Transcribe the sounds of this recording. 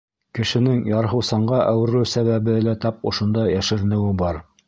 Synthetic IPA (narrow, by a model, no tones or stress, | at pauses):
kɘ̆ʃɘ̆nɘŋjɑɾɦɤ̆wsɑɴɢɑʔæwɘ̆ɾɘwsæβæβbɘlæt̪ɑp̚ŏʃŏnd̪ɑjæʃɘ̆ɾɘ̆nɘ̆wɘbɑɾ